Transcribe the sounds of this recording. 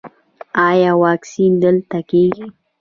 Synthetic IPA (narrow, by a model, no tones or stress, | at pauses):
ɑjɑːwɑːksind̪əlt̪akeɡi